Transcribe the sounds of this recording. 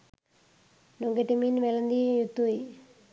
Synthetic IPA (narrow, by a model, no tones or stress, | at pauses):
nuŋɡeʈiminʋelɐnd̪ijut̪ːuj